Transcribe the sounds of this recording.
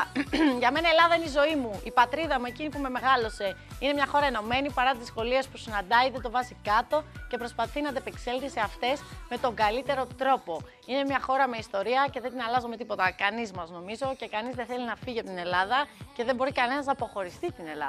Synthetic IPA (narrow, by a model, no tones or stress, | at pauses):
ʝɐme̞nɐe̞lɐðɐineizo̞imuipɐt̪ɾiðɐmue̞cinipume̞me̞ɣɐlo̞se̞ine̞mɲɐxo̞ɾɐe̞no̞me̞nipɐɾɐt̪izzisko̞liespusinɐnd̪ɐiðet̪o̞vɐzikɐt̪o̞ce̞pɾo̞spɐθinɐd̪epe̞kse̞lθiseɐft̪e̞sme̞t̪o̞ŋɡɐlit̪e̞ɾo̞t̪ɾo̞po̞ | ine̞mɲɐxo̞ɾɐme̞ist̪o̞ɾiɐce̞ðed̪inɐlɐzome̞t̪ipo̞t̪ɐkɐnizmɐzno̞mizo̞ce̞kɐnizðeθe̞linɐfiʝiɐpt̪ine̞lɐðɐce̞ðe̞mbo̞ɾikɐne̞nɐznɐpo̞xo̞ɾist̪it̪ine̞lɐ̰